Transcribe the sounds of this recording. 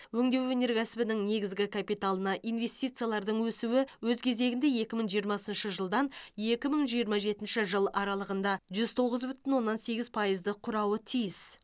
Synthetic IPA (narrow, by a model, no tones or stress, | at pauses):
wɵŋd̪e̞wene̞ɾɡʲæsɪbɪnɪŋne̞ɡʲɪzɡʲɪkʰapijt̪alˠənɑʔijnve̞st̪ijt̪sɨjalˠɑɾd̪əɴwɵsuwɪwɵzkʲʰe̞ze̞ɡʲɪnd̪e̞je̞kʲɪməɴʒijəɾmɑsənʃəʒəlˠd̪ɑnje̞kʲɪməɴʒijəɾmɑʒe̞t̪ɪnʃɪʒəlˠɑɾɑlˠəʁənd̪ɑʒʏz̥t̪ʰo̞ʁəzbʏt̪ɪnwo̞nːɑnse̞ɡʲɪzpʰɑjəzd̪əqʰʊɾɑwət̪ʰijɪs